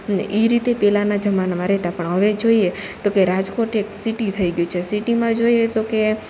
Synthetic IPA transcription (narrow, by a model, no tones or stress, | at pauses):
nḛʔiɾit̪epɛlanad͡ʒəmanamãɾɛɦt̪apəɳɦəʋed͡ʒoiet̪okeɾad͡ʒkoʈeksiʈit̪ʰəiɡjũt͡ʃʰesiʈimãd͡ʒoiet̪oke